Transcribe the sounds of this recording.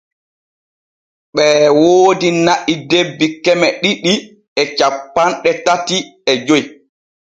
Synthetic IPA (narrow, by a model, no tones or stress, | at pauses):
ɓɛwoːdinaʔidebːikɛmɛɗiɗi | ɛt͡ʃapːanɗɛtatiɛd͡ʒoj